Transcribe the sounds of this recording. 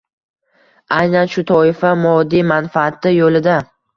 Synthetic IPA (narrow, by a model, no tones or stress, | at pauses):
ajnanʃʊt̪ʰɒɪfamɒd̪ːimanfaːt̪ɪjolɪd̪a